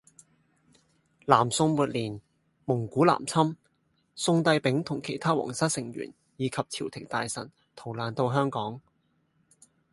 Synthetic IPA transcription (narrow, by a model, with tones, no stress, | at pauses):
laː˨˩msʊ˧ŋmuː˨t̚liː˨˩n | mʊ˨˩ŋkuː˨˥la̰ː˨˩mt͡sʰɐ˥m | sʊ˧ŋt̪ɐ˧jpɪ˨˥ŋt̪ʰʊ˨˩ŋkʰe˨˩jt̪ʰaː˥wɔ̰ː˨˩ŋsɐ˥t̚sɪ˨˩ŋɥy̰ː˨˩n | jiː˨˧kʰɐ˨p̚t͡sʰiː˨˩wt̪ʰɪ˨˩ŋt̪aː˨jsɐ̰˨˩n | t̪ʰo˨˩wlaː˨˩nt̪o˧wɦœː˥ŋkɔː˨˥ŋ